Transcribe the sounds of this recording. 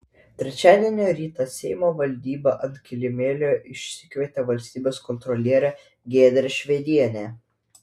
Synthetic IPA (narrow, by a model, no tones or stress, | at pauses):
t̪ʲɾʲɛt͡ʃʲæːd̪ʲeɛnʲoːɾʲiːt̪ɑsʲɛɪmoːʋɐlʲd̪ʲiːbɐʔɐnt̪ʲkʲɪlʲɪmʲeːlʲoːɪʃʲsʲɪkʋʲiɛt̪ʲɛʋɐlʲsʲt̪ʲiːbʲeːskɔnt̪ɾɔlʲiɛɾʲɛ | ɡʲeːd̪ʲɾʲɛʃʲʋʲɛd̪ʲiɛnʲeː